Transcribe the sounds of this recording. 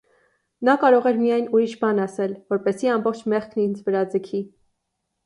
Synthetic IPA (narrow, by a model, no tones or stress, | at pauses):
nɑkɑɾɔʁɛɾmijɑjnuɾiʃbɑnɑsɛlvɔɾpɛsiɑmbɔχt͡ʃʰmɛχkʰnind͡zvəɾɑd͡zəkʰi